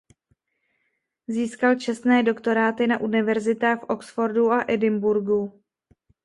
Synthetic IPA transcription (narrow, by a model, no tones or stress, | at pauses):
ziːskalt͡ʃɛst̪nɛːdo̞kt̪o̞ɾaːt̪ɪnaʔunɪvɛɾzɪt̪aːxfʔo̞ksfo̞ɾduʔaʔɛdɪmbuɾɡu